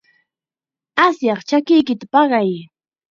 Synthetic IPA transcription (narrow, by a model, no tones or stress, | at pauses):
asjɑχt͡ʃakɪjkɪt̪apɑɢɑj